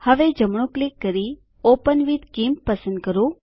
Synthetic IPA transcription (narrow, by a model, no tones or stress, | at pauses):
həʋed͡ʒəmɳ̃ũklikːəɾi | opənʋid̪kimpːəsənd̪̚kəɾũ